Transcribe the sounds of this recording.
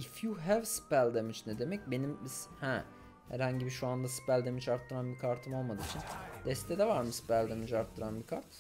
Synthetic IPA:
ifjuɦævspælʲd̪emit͡ʃnɛd̪e̞mɛc̚be̞nimshɛ | hæ̰ɾhaɲɟibiʃuand̪aspælʲd̪e̞mit͡ʃaɾt̪ʰːɯɾanbikʰaɾt̪ʰɯmo̞lˠmad̪ɯit͡ʃʰind̪̥ɛst̪ʰɛd̪ɛvaɾmɯspælʲd̪e̞mit͡ʃaɾt̪ʰːɯɾanbikʰaɾt̪

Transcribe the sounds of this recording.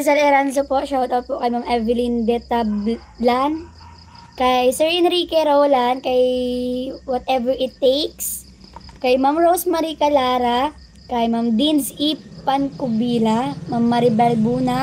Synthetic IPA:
s̬ɐlɛɾansopoʃawt̪ɐwt̪̚poʔkɐjmamʔɛvɪlind̪ɛt̪ab | lan | kɐjsɛɹɪnɾikɛɾowlankɐj | wɔt̪ʔɛvɛɹʔɪt̪ːejks | kɐjmamɹosmɐɾikɐlaːɾa | kɐjmamd̪insipːɐnkʊbiːlamamːɐɾibɛlbuːna

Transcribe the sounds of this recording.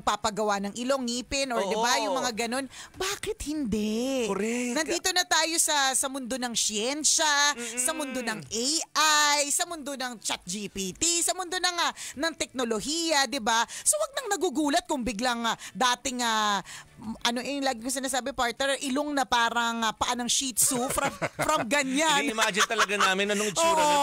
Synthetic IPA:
ɡ̚papɐɡɐwanɐŋʔɪloŋːiːpɪnʔoɹd̪ɪbajʊŋmɐŋaɡɐno̞nbaːkɪt̪̚hɪnd̪ɛɛnɐnd̪iːt̪o̞nɐt̪aːjo̞sɐsɐmʊnd̪o̞nɐŋsɪjɛnʃɐsɐmʊnd̪o̞nɐŋʔejʔajsɐmʊnd̪o̞nɐŋt͡ʃat̪̚d͡ʒipit̪isɐmʊnd̪o̞nɐŋɐnɐŋt̪ɛk̚no̞lo̞hiːjɐd̪ɪbasowɐɡ̚nɐŋnɐɡuɡuːlɐt̪̚kʊŋbɪɡlaŋd̪aːt̪ɪŋa | ʔɐnoʔɛŋlaːɡɪjuŋs̬ɪnaːs̬aːbɪpaɹt̪̚nɛɹʔɪloŋnɐpaːɾɐŋɐpɐʔanɐŋʃit̪sufɾɐmfɾɐmɡɐɲanɪmaːd͡ʒɪnt̪ɐlɐɡanaːmɪnɐoŋoːʔo

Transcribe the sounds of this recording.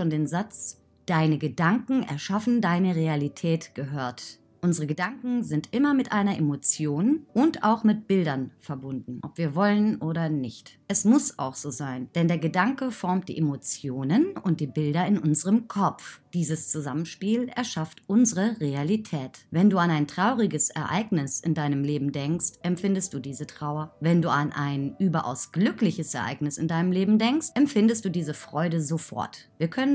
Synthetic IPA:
ʃoːndeːnzat͡s | d̥aɪnəɡədaŋkŋ̩ɛ̰ɐʃafn̩daɪnəʁealitʰɛːtɡ̥əɦøːɐt | ʔʊnzəʁəɡədaŋkŋ̩zɪntʔɪmɐmɪtʔaɪnɐʔemot͡sjoːnʔʊnta̰ʊxmɪt̚b̥ɪldɐnfɛɐbʊndn̩ʔɔ̰pv̥iːɐvɔlənʔoːɾɐnɪçtʔɛsmʊsa̰ʊxz̥oːzaɪnd̥ɛndeːɐɡədaŋkəfɔɐmt̚d̥ḭːʔemot͡sjoːnənʊnt̚d̥iːbɪldɐɪnʔʊnzəʁəmkʰɔp͡fd̥iːzəst͡suzamənʃpiːlɛɐʃaftʔʊnzəʁəʁealitʰɛːtvɛnduːanaɪntʁ̥aʊʁɪɡəsɛ̰ɐʔa̰ɪɡnɪsɪndaɪnəmleːbm̩dɛŋkstʔɛmfɪndəst̚d̥uːdiːzətʁ̥aʊɐvɛnduːanʔaɪnʔyːbɐʔa̰ʊsɡ̥lʏklɪçəsɛɐʔa̰ɪknɪsɪndaɪnəmleːbm̩dɛŋkstʔɛmfɪndəstd̥uːdiːzəfʁ̥ɔʏdəzofɔ̰ɐtviːɐkʰœnən

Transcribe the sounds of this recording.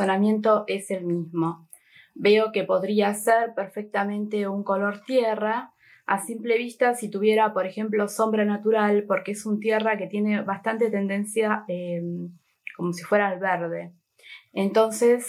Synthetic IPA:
onamje̞nt̪o̞ʔe̞se̞lmizmo̞ | be̞o̞ke̞po̞ðɾiaseɾpeɾfek̚t̪amẽ̞nt̪e̞uŋko̞lo̞ɾt̪jera | asimple̞β̞ist̪asit̪uβ̞jeɾapo̞ɾe̞xe̞mplo̞so̞mbɾanat̪uɾalpo̞ɾkeesunt̪jerake̞t̪je̞ne̞βast̪ant̪e̞t̪e̞nd̪e̞nsjaem | ko̞mo̞sifwe̞ɾalβeɾðe̞ | ent̪o̞nse̞s

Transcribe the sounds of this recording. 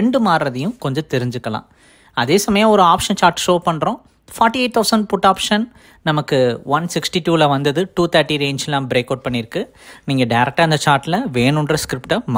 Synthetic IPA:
ɛɳɖɯmaːɾɾɐðɐjʊ̃kɔɲd͡ʒɐ̃t̪ɛɾɪɲd͡ʒɯkːɐlã̰ː | ɐðeːsɐmɐjãːɔɾɯaːpʂɐnt͡ʃaːɾʈʂoːpɐɳːɾõː | faːɾʈːieːʈ̚t̪ɐʊsɐɳɖpʊʈːaːpʂɐn | nɐmɐkːɯʋɐnsɪksʈiʈuːlɐʋɐnd̪ɐðɯʈuːt̪ʰɐɾʈːiɾeːɲd͡ʒɛlːãːmbɾeːkɐːɖ̚pɐɳːɪɾɯkːɯ | niːŋɡɐɖɐɪɾɛk̚ʈaːɪnd̪ɐt͡ʃaːɾʈːɪlɐʋeːɳʊɳɖrɐskɪɾɪpʈɐma

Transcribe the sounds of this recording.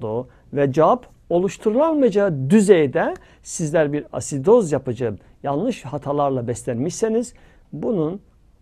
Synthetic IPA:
d̪u | vɛd͡ʒavapʰ | o̞lˠuʃt̪ʰuɾɯlˠanmɯd͡ʒad̪yzejd̪ɛ | sizlʲæɾbiɾa̰sid̪o̞zjapɯd͡ʒɯ | jalˠnˠɯʃhat̪ʰalˠaɾlˠabɛslʲænmiʃseniz | bunun

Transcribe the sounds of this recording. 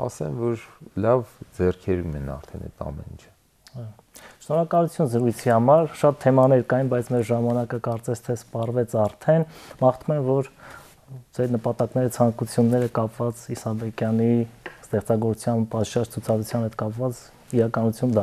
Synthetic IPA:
ɑ̰sɛ̰mvɔɾlɑvd͡zɛrkʰɛɾumɛnɑ̰ɾt̪ʰɛnɛ̰t̪ɑ̰mɛ̰nḭnt͡ʃʰ | ɑjɔ | ʃnɔɾɑkɑlut͡sʰjunzəɾujt͡sʰihɑmɑɾʃɑt̪ʰːɛmɑnɛɾkɑjinbɑjt͡sʰmɛɾʒɑmɑnɑkəkɑɾt͡sɛst̪ʰɛspɑrvɛt͡sʰɑɾt̪ʰɛnmɑχt̪ʰumɛnvɔɾ | d͡zɛɾnəpɑt̪ɑknɛɾət͡sʰɑŋkut͡sʰjunːɛɾəkɑpvɑt͡sisɑbɛkjɑnist̪ɛχt͡sɑɡɔɾut͡sʰjɑnpɑt̪ʃɑt͡ʃt͡sʰut͡sʰɑd̪ɾut͡sʰjɑnhɛt̪kɑpvɑt͡s | iɾɑkɑnut͡sʰjund̪ɑ

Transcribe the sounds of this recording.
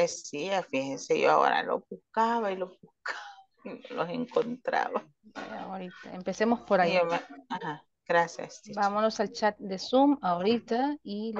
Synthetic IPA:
esiafixhenseʝoa̰o̞̰ɾa̰lo̞̰puhkaβailopuhkʰaβ | iolose̞ŋkont̪ɾa̰βa | ea̰oɾit̪aempe̞semo̞spoɾaiomeaha | ɡ̥ɾasja̰sibamono̞salt͡ʃat̪̚d̪e̞sumaoɾit̪ai

